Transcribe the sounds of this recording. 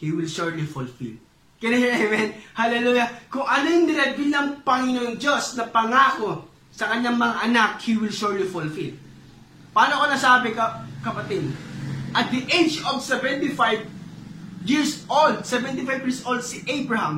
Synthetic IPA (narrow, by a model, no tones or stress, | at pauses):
hiwɪlʃuɹlifʊlfḭl | kɪnɛɛmɛnhalɛluːjɐkʊŋʔɐnojʊŋd̪ɪɾɛbilɐŋpɐŋɪnonŋd͡ʒosnɐpɐŋaːko̞ | sɐkɐɲːaŋmɐŋaʔɐnak̚hiwɪlʃuɹlifʊlfil | paːnoɐkonɐsaːbɛkɐkɐpɐt̪id̪ʔɐt̪̚d̪iʔejd͡ʒovsɛvɛnt̪ifajv | jiɹsʔold̪̚sɛvɛnt̪ɪfajbjiɹsʔold̪̚sɪʔejbɹɐhɐm